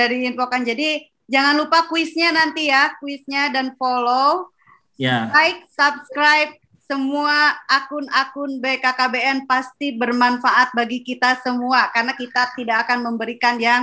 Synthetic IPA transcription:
aɾiinpokand͡ʒadi | d͡ʒaŋanlupakuɪsɲanant̪ijakuwɪsɲadanfolo | jlaɪk̚sap̚skɾajp̚ | səmuaːkʊnakʊnbekakabeɛnpast̪ibərmanfaʔat̪̚baɡikit̪asəmuakarnakit̪at̪idakakanməmbəɾikanjaŋ

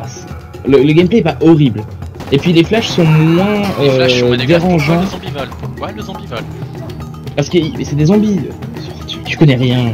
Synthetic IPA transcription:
as | lələɡʲɛmpleɛpaʔɔʁibl | epɥileflaʃsɔ̃mwɛ̃øvɛʁɑ̃vɛ̃z̃vlezɔ̃ivɔl | paʁsə̥kəimɛsɛd̪ezɑ̃bi | t̪t̪y̥kɔnɛʁjɛ̃

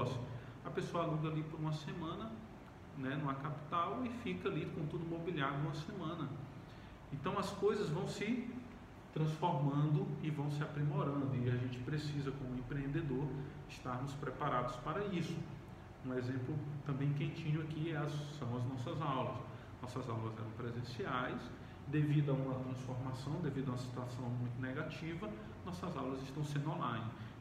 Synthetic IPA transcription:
sʊ̥ | ɐpesoɐalũɡ̪ɐalipʊɾũmɐsẽmɐ̃nɐ | nɛnɐ̃w̃ɛkapi̥t̪awɪfikɐlikõt̪ud̪ʊimobiliaɾjʊũmɐsẽmɐ̃nɐ | ẽnt̪ɐ̃w̃ɐskojzɐzvɐ̃w̃sɪ | t̪ɾɐ̃sfoɾmɐ̃nd̪ʊɪvɐ̃w̃sɪapɾimoɾɐ̃nd̪ʊiaʒẽnt͡ʃɪ̥pɾesizɐkõmʊẽpɾeẽnd̪ed̪oɾ | ɪst̪aɾmʊspɾɛpaɾad̪ʊspaɾɐisʊ̥ | ũezẽmplʊt̪ɐ̃mbẽj̃kẽnt͡ʃĩɲʊakiɛɐssɐ̃w̃ɐznɔsɐzawlɐs | nɔsɐzawlɐzɛ̰ɾɐ̃w̃pɾezẽsiajs | d̪evid̪ʊɐũmɐt̪ɾɐ̃sfoɾmasɐ̃w̃d̪evid̪ɐũmɐsi̥t̪uasɐ̃w̃mũj̃t̪ʊnɛɡat͡ʃivɐ | nɔsɐzawlɐzɪʃt̪ɐ̃w̃sẽnd̪õlãj̃n

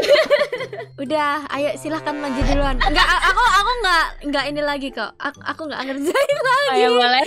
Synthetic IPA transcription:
udaha̰jaʔsilahkanmad͡ʒadiluanŋɡaʔaʔakuakuŋɡaʔŋɡaʔinilaɡika̰aa̰kuŋɡa̰ʔŋərd͡ʒailaɡaal

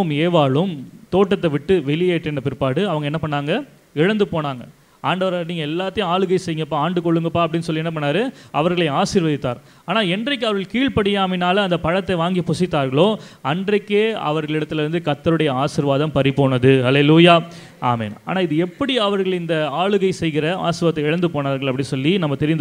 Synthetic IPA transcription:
ɯmeːʋaːɭɯmt̪oːʈːɐt̪ːɐʋɪʈːɯʋɛlɪjeːʈːɛnːɐpɪɾɯpːaːɽɯɐʋɐŋɡɐɛnːɐpɐɳːaːŋɡɐ | ɪɻɐnd̪ɯpoːnaːŋɡɐ | aːɳɖɐʋɐɾaniːŋɡɐɛlːaːt̪ːɐjʊ̃aːɭɯɣɐɪsɛjɯŋɡɐpːaːaːɳɖɯkɔɭːɯŋɡɐpːaːɐp̬ɐɽɪnːɯsɔlːɪɛnːɐp̬ɐɳːaːɾɯʔɐʋɐɾɣɐɭɐɪaːsɪɾʋɐðɪt̪ːaːɾ | aːnaːɛndrɐɪk̬ːɯɐʋɐɾɣɐɭkiːɭpɐɽɪjaːmɪnaːlɐɐnd̪ɐpɐɻɐt̪ːɐʋaːŋɡipʊsɪt̪ːaːɾɣɐɭoːɐndrɐkːeːɐ̰ʋɐɾɣɐɭɪɽɐt̪ːɪlɐɾɯnd̪ɯkɐt̪ːɐɾɯɽɐjɐaːsɪɾʋaːðɐmpɐɾipːoːnɐðɯhɐleːluːjaː | a̰ːmḛːna̰ːnaːɪðɯɛpːɐɽiɐʋɐɾɣɐɭɪnd̪ɐaːɭɯɣɐɪsɛjɣɪɾɐa̰ːsɪɾʋɐt̪ːɐɪɻɐnd̪ɯpoːnaːɾɣɐɭɐpːɐɽɪnsɔlːinɐmːɐt̪ɛɾɪnd̪

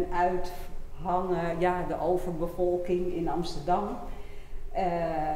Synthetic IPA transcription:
nœɥtɦɔnjadəʔowvərbəfɔlˠkɪŋɪnɑmstərdɑm

